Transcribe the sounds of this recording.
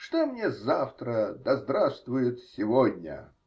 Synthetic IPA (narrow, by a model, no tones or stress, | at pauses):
ʂt̪omnʲezaft̪ɾəd̪ɐzd̪ɾast̪vʊjɪt̪sʲɪvod̪ʲnʲə̰